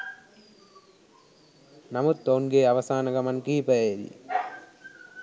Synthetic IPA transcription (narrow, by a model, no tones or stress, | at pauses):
nɐmɯt̪ːoːnɡeːɐʋɐsaːnɐɡɐmɐnkiːpɐeːd̪ḭ